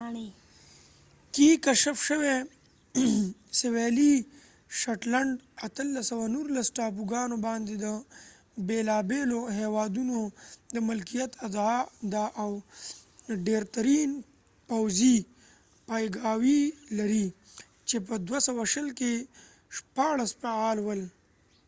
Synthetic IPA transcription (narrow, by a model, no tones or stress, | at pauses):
kikaʃəfʃəwe | seweli | ʃaʈlaɳɖat̪əlːasəwanuɾlasʈɑːpuɡɑnobɑnd̪ed̪ə | belɑːbeloɦewɑd̪unod̪əmʊlkijat̪ad̪d̪aʔaw | ɖeɾt̪aɾin | pawzi | pajɡɑwilaɾi | t͡ʃep̬əd̪wasawaʃəlke | ʃpɑɽaspaaːlwəl